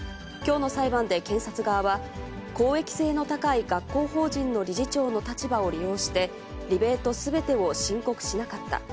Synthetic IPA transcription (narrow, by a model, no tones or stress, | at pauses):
kʲo̞ːno̞saibãnd̪e̞kẽ̞ɰ̃sat͡sɨɡaːβa | ko̞ːe̞kʲi̥se̞ːno̞t̪akaiɡakːo̞ːho̞ːʑĩnːo̞ɾʲiʑit͡ɕo̞ːno̞t̪at͡ɕibao̞ɾʲijo̞ːɕi̥t̪e̞ | ɾʲibe̞t̪o̞sɨbe̞t̪e̞o̞ɕĩŋko̞kɯ̟̥ɕinakat̪ːa̰